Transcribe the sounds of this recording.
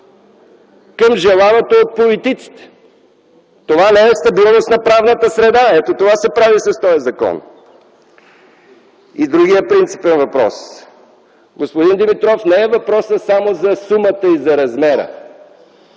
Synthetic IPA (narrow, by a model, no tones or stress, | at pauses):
kɐmʒɛlˠanot̪oːt̪̚polit̪it̪si̥t̪ɛ̥ | t̪ovanɛɛst̪ɐbilˠnost̪nɐpɾavnət̪əsɾɛd̪aɛt̪ot̪ovasɛpɾavisɐst̪ɔjɐzɐkɔ̰n | id̪ɾuɡijəpɾint̪si̥pɛnvɐpɾɔ̰s | ɡospod̪ind̪ɛmit̪ɾɔfnɛɛvɐpɾɔsəsamozɐsumət̪əizɐɾɐzmɛɾə̰